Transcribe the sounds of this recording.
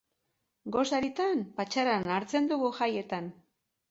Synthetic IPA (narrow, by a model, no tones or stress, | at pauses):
ɡo̞saɾit̪ampat͡ʃaɾanaɾt͡se̞nd̪uɣuʝaje̞t̪an